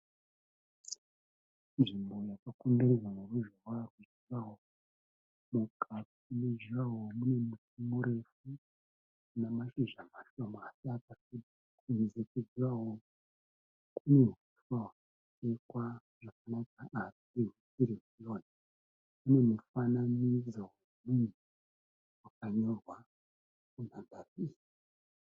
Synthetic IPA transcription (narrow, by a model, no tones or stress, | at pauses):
nʐimbo̞jakakondeɾezamuruʒowarwud͡ʒiʋawo | mukʰatiuned͡ʒiʋawomune̞mutimuɾe̞fu | kunamaʃiʒamaʃomaasiakasid | kuizekuziʋaɦo | kune̞mifwawaka | tekwa | ʐakanakaʔːsiisiɾikujoːna | une̞mufananid͡zo | mini | wakaɲo̞rwa | kunambariːji